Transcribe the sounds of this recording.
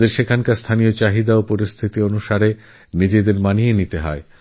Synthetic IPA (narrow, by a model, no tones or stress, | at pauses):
d̪eɾʃekʰankast̪ʰanijot͡ɕaɦid̪aopoɾist̪ʰit̪ionuʃaɾe | nid͡ʑed̪eɾmanienit̪eɦɔe